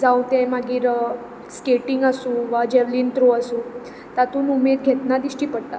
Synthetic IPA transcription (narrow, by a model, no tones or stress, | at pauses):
d͡zaut̪ɛ̃maɡiːɾ | skeʈiŋɡasũːʋad͡ʑɛɾliːnt̪ɾoasũː | t̪at̪uːnumed̪̚ɡʱet̪nad̪iɕʈiːpəɽt̪a̰